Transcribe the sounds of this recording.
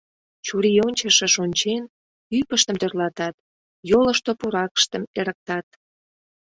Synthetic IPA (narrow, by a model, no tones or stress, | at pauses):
t͡ɕuɾionʲt͡ɕəʃĕʃonʲt͡ɕen | ypəʃt̪əmt̪ørlɑt̪ɑt̪ | jolə̆ʃt̪opuɾɑkə̥ʃt̪əmeɾək̚t̪ɑt̪